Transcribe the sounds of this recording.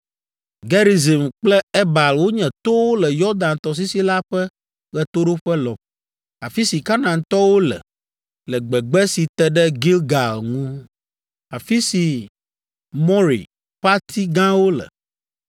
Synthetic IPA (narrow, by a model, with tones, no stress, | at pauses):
ɡɛ˦ɾi˨ze˨mk͡plɛ˦ɛ˦ba˨lwo˦ɲɛ̃˨t̪o˦wo˦lɛ˨jɔ˦d̪ã˨nt̪ɔ˨s̬i˦si˦la˦ɸɛ˦ | ɣɛ˨t̪o˦ɖo˦ɸɛ˦lɔ˨b̚ | a˨fi˦si˨ka˦nã˨nt̪ɔ˦wo˦lɛ̰˨ | lɛ˨ɡ͡bɛ˨ɡ͡bɛ˦si˨t̪ɛ˨ɖɛ˦ɡi˦lɡa˨lŋũ˦ | a˨fi˦si˨ | mɔ̃˦ɾḭ˨ | ɸa˦t̪ʰi˦ɡã˦wo˦lɛ̰˨